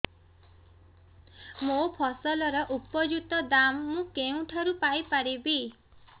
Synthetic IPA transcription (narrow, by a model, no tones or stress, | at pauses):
mopʰɔsɔlɔɾɔʔupɔd͡ʒut̪ɔd̪amːũkeũʈʰaɾupajpaɾibi